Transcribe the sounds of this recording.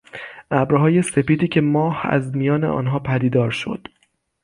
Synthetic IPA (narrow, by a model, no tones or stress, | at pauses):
ʔæbɾɦɒːje̞se̞piːd̪iːcʰe̞mɒːhæ̰zmijɒːneʔɒ̰ːnɦɒːpʰæd̪iːd̪ɒːɾʃo̞̰d̪̥